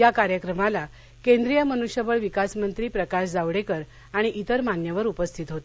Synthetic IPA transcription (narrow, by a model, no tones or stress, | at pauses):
jakaɾjəkɾəmala | kend̪ɾijəmənuɕjəbəɭʋikasmənt̪ɾiːpɾəkaɕd͡zaʋɽekəɾ | aɽ̃iʔit̪əɾmanjəʋəɾupəst̪ʰit̪ɦot̪e